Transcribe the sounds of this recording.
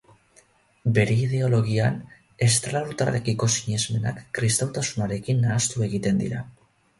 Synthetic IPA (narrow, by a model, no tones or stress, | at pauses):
be̞ɾe̞ið̞e̞o̞lo̞ɣ̞ian | e̞st̪alaɾut̪arekiko̞siɲe̞zme̞nakːɾist̪awt̪asunaɾe̞kinːaːst̪ue̞ɣit̪e̞nd̪ḭɾa